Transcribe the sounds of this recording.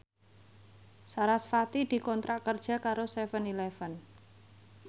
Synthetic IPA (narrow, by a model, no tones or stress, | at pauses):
saɾasfat̪id̪̥i̤kɔnt̪ɾaʔkərd̥ʒ̥a̤kaɾost̪ɛfənilɛfən